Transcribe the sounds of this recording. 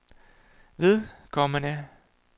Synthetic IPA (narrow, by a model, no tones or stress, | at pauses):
ʋe̝ðˠkʰɒmənæ